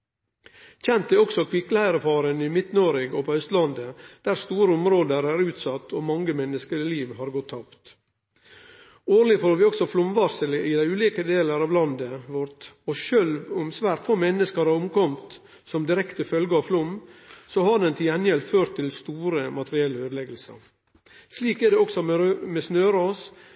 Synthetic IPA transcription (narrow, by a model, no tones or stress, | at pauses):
çɛnt̪̚d̪æɔksɔkʰʋɪklhæɪɾəfɑːɾənɪmɪt̪noːɾɪɡopɔœst̪lɑnd̪əd̪̥æːɾst̪uːɾəɔmɾoːd̪əɾæːɾʉːt̪sɑt̪ːoːmɑŋɡəmɛnːəskəɾɪliːʋɦɑɾɡɔt̪ʰːɑpt̪ | oːɾlɪfoɾʋɪɔksɔflʊmʋɑɾsəlɪʔɪd̪æɪʉːliːkəd̪eːləɾɑːʋlɑnd̪əʋɔɾt̪ɔʃølʋʊmsʋæːɾʈ̪foːmɛnːəskəɾhɑɾʊmkɔmt̪ | sɔmd̪ɪɾɛkt̪əfœlɡəɑːʋflʊmːsɔhɑɾd̪ɛnt̪ʰɪlɛnjɛlføːɾʈt̪ʰːɪlst̪uːɾəmɑt̪əɾɪɛlːəøːd̪lɛɡəlsə̰ɾ | sliːkæɖɛɔksɔmɛɾmɛsnøːɾoːs